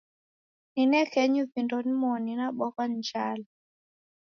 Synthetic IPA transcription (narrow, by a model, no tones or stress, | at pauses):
ninɛkɛɲuvindɔnimɔninaɓɔkand͡ʒala